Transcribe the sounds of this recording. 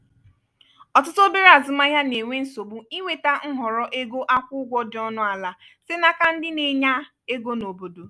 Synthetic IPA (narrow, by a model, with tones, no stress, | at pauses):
ɔ˨tʊ˦to˦be˦ɾa˨zʊ˨ma˦ja˦ne˨ŋʷe˦n̩˦so˨bu˦i˦wʷe˨ta˦ŋ̩˦ɦɔ˨ɾɔ˦ʔe˦ɡo˦ʔa˦kʷʊ˦ɡʷɔ˦dɪ˨˦ɔ˦nʊ˦a˨la˨ | sɪ˦na˨ka˦n̩˦dɪ˦ne˨ɲa˦ | e˦ɡo˦no˨bo˨do˨